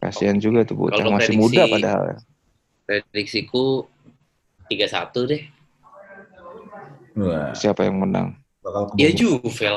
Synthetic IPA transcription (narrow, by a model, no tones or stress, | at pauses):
ka̰siand͡ʒuɡat̪ubṵtkalaomasɪmudapadaɦa̰lja̰ | pɾedik̚siku | t̪iɡasa̰t̪udɛh | siapajaŋməna̰ŋ | akalkiad͡ʒufel